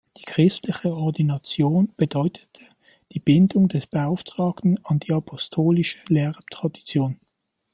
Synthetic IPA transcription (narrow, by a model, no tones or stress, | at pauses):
d̥i̥ːkʁ̥ɪstlɪçəɔɐdinat͡sjoːnb̥ədɔʏtʰə̥tʰə | d̥iːb̥ɪndʊŋdɛsb̥əaʊftʁ̥aːktn̩ɑndiːapʰɔstʰoːlɪʃəleːʁtʁ̥adit͡sjoːn